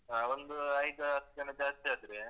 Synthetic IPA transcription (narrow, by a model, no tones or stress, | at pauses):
ond̪uɐjd̪uɐt̪ːkɐnɐd͡ʒaːst̪iaːd̪ɾe